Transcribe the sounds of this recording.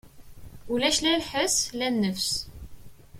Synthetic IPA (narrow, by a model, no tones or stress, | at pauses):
ulæʃlælħəslænːəfs